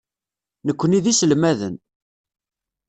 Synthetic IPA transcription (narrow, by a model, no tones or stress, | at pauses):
nəkʷːəniðisəlmæðə̰n